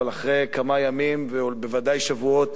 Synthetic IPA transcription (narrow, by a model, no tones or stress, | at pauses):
alaχʁejkamajamimveobe̞vadajʃavuo̞t